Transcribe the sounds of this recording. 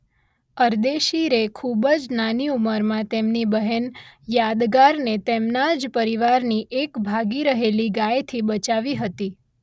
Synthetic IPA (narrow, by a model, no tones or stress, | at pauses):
əɾd̪eʃiɾekʰubəd͡ʒnaniuməɾmãt̪emnibəɦənjad̪ɡaɾnet̪emnad͡ʒpəɾiʋaɾniʔekbʱaɡiɾəɦeliɡajt̪ʰibət͡ʃaʋiɦət̪i